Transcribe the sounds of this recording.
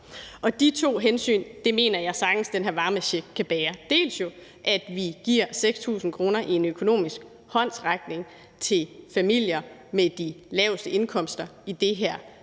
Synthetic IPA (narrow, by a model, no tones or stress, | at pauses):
ɒ̽d̥it͡sʰo̝̰ːɦensy̰ːnd̥e̝me̝̰ːnɐjɑ̈ɪsɑ̈ɡ̥n̩sd̥enɦæɐ̰ʋɑ̈ːməɕeɡ̥̚kʰːæb̥ɛːɐd̥e̝̰ːlsjo̝ | ʔæd̥ʋiɡ̥iɐ̰seɡ̥st͡sʰṵːsn̩kʰʁo̝ːnɐʔie̝nøkʰo̝no̝̰ːmisɡ̥̚ | hɒ̽n̰sʁaɡ̥ne̝ŋ | t͡sʰe̝lfæmil̰jɐmed̥ilɛʊsd̥əe̝nkʰɒ̽m̰sd̥ɐid̥e̝ɦæɐ̰